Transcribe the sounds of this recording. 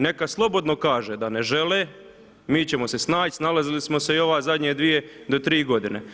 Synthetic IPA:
ne̞kaslˠo̞bo̞d̪no̞kaːʒed̪ane̞ʒe̞leː | miːt͡ɕemo̞se̞snaːsnalazilismo̞seio̞ʋaːzad̪ɲed̪ʋije̞d̪o̞t̪ɾiːɡo̞d̪inḛ

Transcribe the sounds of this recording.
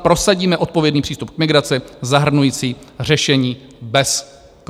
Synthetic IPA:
pɾo̞saɟiːmɛʔo̞t̪̚po̞vjɛdniːpr̝iːst̪up̚kmɪɡɾat͡sɪzaɦr̩nujiːt͡siːr̝ɛʃɛɲiːbɛs | k

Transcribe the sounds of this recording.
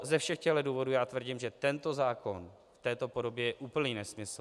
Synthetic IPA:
zɛfʃɛxcɛɦlɛduːvo̞duːjaːt̪vr̩ɟɪmʒɛt̪ɛnt̪o̞zaːko̞̰n | ft̪ɛːt̪o̞podo̞bjɛjɛʔuːpl̩ɲiːnɛsmɪsl

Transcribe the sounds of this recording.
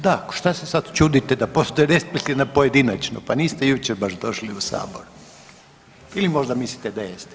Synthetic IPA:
d̪akʃt̪asesad̪t͡ʃud̪it̪ɛd̪apo̞st̪ojeɾesplikt̪iʋnapojed̪inat͡ʃno̰paniːst̪ejut͡ʃeɾbaʃd̪o̞ʃliusa̰ːboɾu | ilimo̞ʒd̪amislit̪ed̪ajest̪ɛ̥

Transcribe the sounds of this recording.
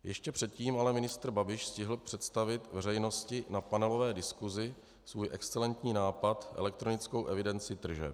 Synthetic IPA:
jɛʃcɛpr̝̥ɛt̪̚ciːmalɛmɪnɪst̪r̩babɪʃscɪɦl̩pr̝̥ɛt̪st̪avɪt̪vɛrɛjno̞scɪnapanɛlo̞vɛːdɪskuzɪ | svuːjʔɛkst͡sɛlɛnt̪ɲiːnaːpat̪ʔɛ̰lɛk̚t̪ɾo̞nɪt͡skowʔɛvɪdɛnt͡sɪt̪r̩ʒɛ̰

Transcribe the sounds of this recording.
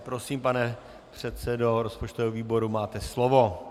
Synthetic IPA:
pɾo̞siːmpanɛ | pr̝̥ɛt̪sɛdoɾo̞spot͡ʃt̪ovɛːoviːbo̞ɾumaːt̪ɛslovo̞

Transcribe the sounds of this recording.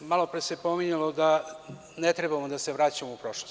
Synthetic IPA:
malo̞pɾesepomiɲulˠod̪a | net̪ɾebamod̪ase̞ʋɾaːt͡ɕamoupɾo̞ʃlos

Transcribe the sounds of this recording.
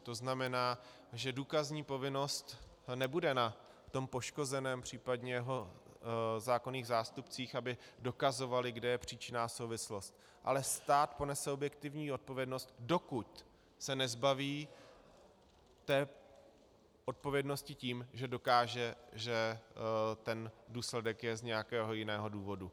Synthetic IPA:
t̪o̞znamɛnaː | ʒɛduːkazɲiːpo̞vɪno̞st̪ | nɛbudɛna | ft̪o̞mpo̞ʃko̞zɛnɛːmpr̝̥iːpadɲɛjɛɦo̞ | zaːko̞niːɣzaːst̪upt͡siːxabɪdo̞kazo̞valɪɡdɛjɛpr̝̥iːt͡ʃɪnaːso̞wvɪslo̞st̪̚ | ʔa̰lɛst̪aːt̪po̞nɛsɛobjɛk̚t̪ɪvɲiːo̞t̪̚po̞vjɛdno̞st̪̚do̞kuc̪ | sɛnɛzbaviː | t̪ɛː | ʔo̞t̪̚po̞vjɛdno̞scɪciːmʒɛdo̞kaːʒɛʒɛ | t̪ɛnduːslɛdɛkjɛzɲɛjakɛːɦo̞jɪnɛːɦo̞duːvo̞du

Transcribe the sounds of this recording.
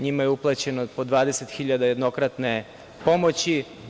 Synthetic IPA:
ɲimajeuplˠat͡ɕenopod̪ʋaːd̪eset̪xiʎad̪aje̞d̪no̞kɾat̪ne̞ | po̞mot͡ɕi

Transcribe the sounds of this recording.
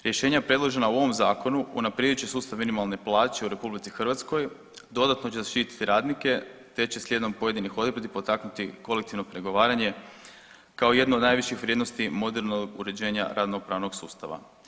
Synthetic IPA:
ɾje̞ʃe̞ːɲapɾe̞d̪lˠoʒe̞nauo̞ʋomzaːko̞nuṵnapɾed̪ut͡ɕesuːst̪aʋminimalˠne̞plˠaːt͡ʃe̞uɾe̞publit̪sixr̩ʋat̪sko̞j | d̪o̞d̪at̪no̞t͡ɕezaʃt̪it̪i̥t̪iɾaːd̪nike̞t̪e̞t͡ɕe̞slʲe̞d̪o̞mpo̞je̞d̪inixo̞d̪ɾd̪ipo̞t̪aknut̪iko̞lek̚t̪iʋnopɾe̞ɡo̞ʋaːɾaɲe̞ | kao̞ije̞d̪noːd̪naːjʋiʃixʋɾjed̪no̞st̪imo̞d̪eɾnoɡṵɾe̞d͡ʑe̞ːɲa̰ɾʔad̪no̞pɾaːʋno̞ɡsuːst̪a̰ʋa̰

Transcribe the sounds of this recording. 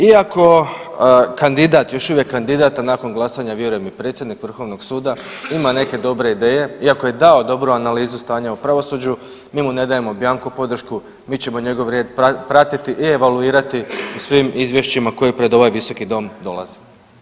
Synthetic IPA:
iako̞ | kand̪id̪at̪jo̞ʃuʋje̞kːand̪id̪aːt̪anako̞nɡlˠasaɲaʋjeɾuje̞mipɾet̪sjed̪nikʋr̩xo̞ʋno̞ɡ̥suːd̪aimane̞ke̞d̪o̞bɾe̞id̪e̞ːje̞iakoje̞d̪ao̞d̪o̞bɾuanaliːzust̪aːɲaupɾaʋo̞sud͡ʑu | miːmune̞d̪aje̞mobjaːŋkupo̞d̪r̩ʃku | miːt͡ɕe̞mo̞ɲe̞ɡo̞ʋɾjeːd̪ppɾat̪it̪iʔie̞ʋaluiːɾat̪iusʋimizʋje̞ʃt͡ɕimako̞jipɾe̞d̪o̞ʋajʋiso̞kid̪o̞md̪o̞̰lˠa̰zi

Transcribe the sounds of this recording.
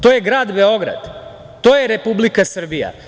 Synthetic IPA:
t̪oːjeɡɾaːd̪be̞o̞ɡɾa̰d̪ | t̪o̞ːjeɾe̞publikasr̩bija̰

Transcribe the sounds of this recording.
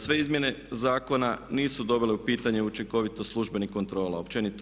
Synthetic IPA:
sʋe̞izmje̞ne̞zaːko̞naniːsud̪o̞bile̞upiːt̪aɲeut͡ʃiŋko̞ʋit̪o̞slˠuʒbe̞niko̞nt̪ɾo̞ːlaopt͡ʃe̞nit̪

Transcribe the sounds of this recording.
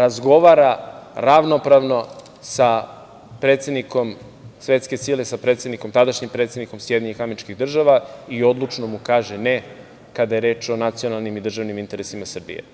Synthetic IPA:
ɾazɡo̞ʋaɾaɾaʋnopɾaʋno̞ | sa | pɾeːt̪se̞d̪niko̞m | sʋet̪ske̞silesapɾet̪sed̪niko̞mt̪ad̪aʃɲimpɾet̪sʲed̪niko̞msjed̪iɲeɲixameɾit͡ʃkiɣd̪r̩ʒaʋaio̞d̪lˠut͡ʃno̞mukaːʒene | kad̪aje̞ɾe̞ːt͡ʃo̞nat̪sijo̞nalˠnimid̪r̩ʒaʋnimint̪e̞ɾesimasr̩bḭjḛ

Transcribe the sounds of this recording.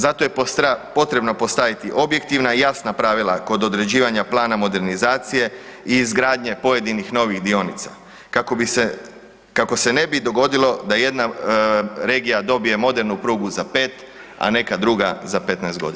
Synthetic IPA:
zat̪o̞jepoapo̞t̪ɾe̞bno̞po̞st̪aʋit̪iʔo̞bje̞k̚t̪iʋnaijasnapɾaʋilˠako̞d̪o̞d̪ɾe̞d͡ʑiːʋaɲaplˠaːnamo̞d̪e̞ɾnizaːt̪sije̞iːzɡɾaːd̪ɲe̞po̞je̞d̪inixno̞ʋixd̪io̞nit̪sa̰ | kakobise | kako̞se̞ne̞bid̪o̞ɡo̞d̪ilˠo̞d̪aje̞d̪na | ɾe̞ːɡijad̪o̞bije̞mo̞d̪e̞ɾnupɾuːɡuzape̞ːt̪ | a̰ne̞kad̪ɾuɡa̰zape̞t̪naest̪ɡo̞̰d̪ia

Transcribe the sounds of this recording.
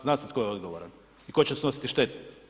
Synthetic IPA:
znaːsat̪kojeo̞d̪ɡoʋoɾa̰n | iko̞t͡ɕesno̞si̥t̪iʃt̪e̞t̪

